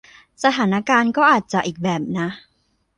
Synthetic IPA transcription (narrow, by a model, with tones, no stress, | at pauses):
sa˧t̪ʰaː˩˦na˦˥kaː˧nkɔː˥˩ʔaː˨˩t̪̚t͡ɕa˨˩ʔiː˨˩k̚bɛː˨˩p̚na˦˥ʔ